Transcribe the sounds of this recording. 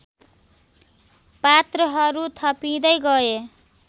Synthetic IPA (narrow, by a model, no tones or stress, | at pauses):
pat̪rʌɦʌɾut̪ʰʌpid̪ʌjɡʌe